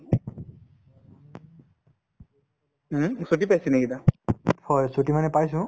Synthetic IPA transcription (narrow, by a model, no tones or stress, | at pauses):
suʈ̬ipajsinɛɡid̪afʰɔjsuʈimanɛpajs̬ũ